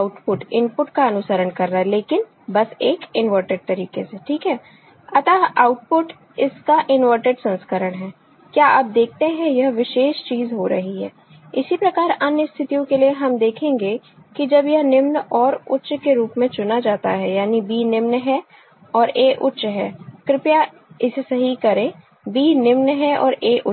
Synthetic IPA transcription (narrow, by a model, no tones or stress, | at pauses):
aʊʈpʊʈɪ̃npʊʈkaɐnʊsəɾəɳkɐɾːaɦɛleːkɪn | bɐseːkɪnʋəɾʈəɖ̚t̪ɐɾiːkeseʈʰiːkɦɛː | ɐt̪aaːʊʈ̚pʊʈ | ɪskaʔɪnʋəɾʈəɖsɐ̃nskəɾəɽ̃ɦɛː | kjaːʔap̚d̪eːk̚ʰt̪ẽɦɛ̃jɐɦʋɪʃeːʃt͡ʃiːzɦoɾɐ̰ɦiɦɛ̰ː | ɪsipɾɐkaːɾɐnjəst̪ʰɪt̪ijõkelieɦɐmd̪eːkʰẽːŋɡekid͡ʒɐbjɐɦnɪmnɔːɾʊtːʃkeɾuːpmẽt͡ʃʊnad͡ʒaːt̪aɦɛjaːnibiːnɪmnɦɛ | ɔːɾeːʔʊtːʃɦɛːkɾɪpja | ɪsesɐɦikɐɾẽ | biːnɪmnɦɛɔ̰ːɾeːʔʊ